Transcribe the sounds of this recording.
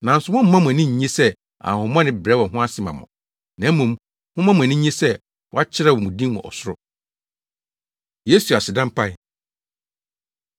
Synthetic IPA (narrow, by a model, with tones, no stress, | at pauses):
nã˨n̩˨sʊ˨mʊ̃˦m̩˦mã˦mʊ̃˨æ˨nĩ˦ɲ̩˨ɲẽ˦sɛ˦ | ã̰˨hʊ̃˨mɔ̃˦nɪ̃˦bɾɛ˦wɔ˨ɦʊ̃˦a˦sɪ˦mã˨mʊ̰̃˨ | nã˨˦mũ˨m | hʊ̃˦mã˦mʊ̃˨æ˨nĩ˦ɲẽ˦sɛ˦ | wɔ˦a˦t͡ɕʰɪ˦ɾɛ˦˨wɔ˨mũ˨dĩ˦mmʊ̰̃˨ɔ̰˨sʊ˦ɾʊ˦ | je˦su˨a˨sɪ˨dã˦m˦pʰa˦ɪ˨